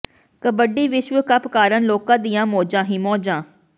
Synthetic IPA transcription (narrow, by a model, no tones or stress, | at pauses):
kəbəɖiːʋɪʃʋəkəpkaːɾənloːkãːd̪ijãːmoːd͡ʒãːɦĩːmɔːd͡ʒãː